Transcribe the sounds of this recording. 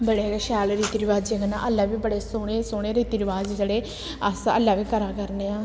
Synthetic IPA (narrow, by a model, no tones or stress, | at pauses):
bəɽeɡeʃɛːlɾiːt̪ɪɾɪʋaːd͡ʒeɡnã̰ːʔəlːaːʋiːbəɽeːsoːɽeːsoːɽ̃eːɾiːt̪ɪɾɪʋaːd͡ʒd͡ʒəɽeː | əsə̰lːaːʋiːkəɾaːkəɾneːaː